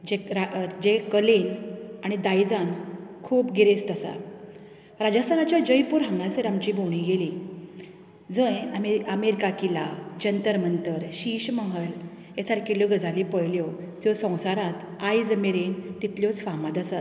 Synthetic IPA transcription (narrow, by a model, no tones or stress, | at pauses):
d͡ʑeɾad͡ʑekəlenaɽ̃id̪ajd͡zãnkʰuːpɡiɾest̪əsa̰ | ɾad͡ʑast̪anat͡ɕjad͡ʑəjpuːɾɦə̃ŋɡasəɾamt͡ɕiːboɽ̃ĩɡeli | d͡zəjam̤iəmeɾikakilad͡ʑənt̪əɾmənt̪əɾɕiɕməɦəl | et͡saɾkiljoɡəd͡zalipəjljɔ | d͡zɔsə̃w̃saɾãt̪ | ajd͡zəmeɾent̪it̪ljɔt͡sʋamad̪əsat̪